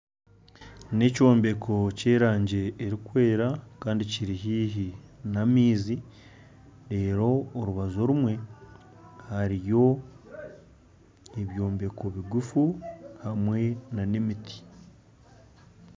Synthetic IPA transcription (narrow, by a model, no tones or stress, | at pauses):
ne̞co̞ːmbe̞kʰo̞ce̞ːɾaːɲɟe̞ːɾikwe̞ːɾakaːndiciɾiɦiːɦinamiːzi | ɾe̞ːɾo̞ːɾuβazo̞ɾumwe̞ | haɾijo̞ | eβjo̞ːmbe̞kʰo̞βiɡufuhamwe̞nanemiti̥